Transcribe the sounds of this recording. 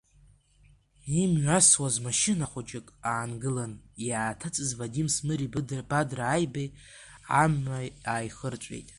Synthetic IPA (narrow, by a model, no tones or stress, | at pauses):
imʕʷaswazmaʃɪnaχʷad͡ʒɪkʼaːnɡɨlanjaːtʰat͡sʼɨzvadimsmɨɾib̥adraːjbaj | a̰maaːjχərt͡ʃʷʼḛjtʼ